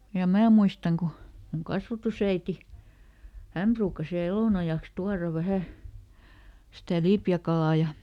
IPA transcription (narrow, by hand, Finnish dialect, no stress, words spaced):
jɑ mæː muistɑŋ ku muŋ kɑsʋɑtusæiti hæm pruːkːɑs ʋiæl eloˑnɑjɑks tuɑrɑ ʋæhæ sitæ lipjækɑlɑˑ jɑ